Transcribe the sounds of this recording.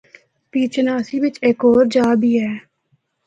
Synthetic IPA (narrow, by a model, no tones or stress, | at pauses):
piːt͡ʃnaːsiːʋɪt͡ʃekoːɾd͡ʒaːbiːɛː